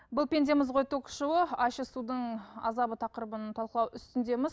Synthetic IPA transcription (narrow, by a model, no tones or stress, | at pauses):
bʊlˠpʲe̞nd̪emɪzqo̞jt̪ʰokʃəwəɑʃəsud̪əɴɑ̰zɑbət̪ʰɑqəɾəbənət̪ʰɑlˠqəlˠɑwʏst̪ɪnd̪e̞mɪz